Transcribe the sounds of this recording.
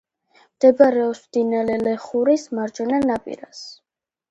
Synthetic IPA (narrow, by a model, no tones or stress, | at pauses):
md̪̥ɛbaɾɛɔpsd̪̥inalɛlɛχuɾismaɾd͡ʒɛnanapʼḭɾas